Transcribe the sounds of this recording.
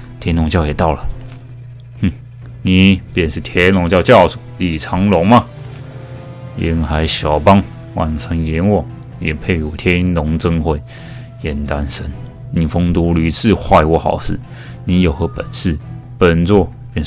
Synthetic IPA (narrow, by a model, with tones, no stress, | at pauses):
t̪ʰjɛ˧˥nʊ˧˥ŋt͡ɕjɑ˥˩ʊjɛ˨˩t̪ɑ˥˩ʊlə˨˥˩ | ni˨˩˦pjɛ˥˧nʂɻ̩˥˧˩t̪ʰjɛ˧˥nʊ˧˥ŋt͡ɕjɑ˥˧ʊt͡ɕjɑ˥˩ʊsu̥˨˩li˨˩t͡sʰɑ˧˥ŋlʊ˧˥ŋmɐ˧ | jɛ̰˧˥nxa˧˥ɪɕjɑ˨˩ʊpɑ˥ŋ | wa˨˩nt͡sʰə˧˥ŋjɛ˧˥nwɔ˨˩ | jɛ̰˨˩pʰe˥˧˩ɪu˨˩t̪ʰjɛ˥nʊ˧˥ŋt͡sə˥ŋxwe˧˥˩ɪ | jɛ˨˩nt̪a˦nʂə˥n | ni˨˩fʊ˥ŋt̪u˧˥ly˧˥t͡sʰɹ̩˥˧xwa˥˧ɪwɔ˧˥xɑ̰˨˩˦ʊsɹ̩˥˩ | ni˧˥jo˨˩ʊxɤ˧˥pə˨˩nsɹ̩˥˩pə˨˩nt͡swɔ˥˧ | pjɛ˥˧n